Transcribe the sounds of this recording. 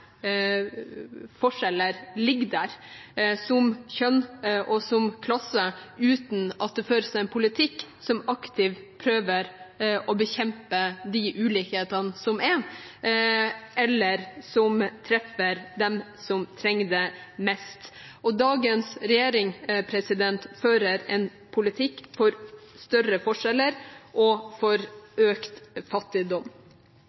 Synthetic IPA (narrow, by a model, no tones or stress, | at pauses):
fɔʂɛləɾlɪɡd̪æɾsɔmçœnʔɔsɔmkʰlɑsəʉːt̪n̩ɑt̪̚d̪ɛføːɾsɛɛnpʰʊlɪt̪ʰɪkːsɔmɑkt̪ʰɪʋpʰɾøːʋəɾʔɔbəçɛmpəd̪iʔʉːliːkheːt̪ɑnəsɔmɛ | ɛlːəɾsɔmt̪ʰɾɛfəɾd̪ɛm | sɔmt̪ʰɾɛŋːd̪ɛmɛst̪ʔɔd̪ɑːɡənsɾɛjeːɾɪŋpʰɾɛsɪd̪ɛnt̪føːɾəɾɛn | pʰʊlɪt̪ʰɪkːfɔɾst̪œɾəfɔʂɛlːəɾʔɔfɔɾøːkt̪fɑt̪ːɪd̪ɔm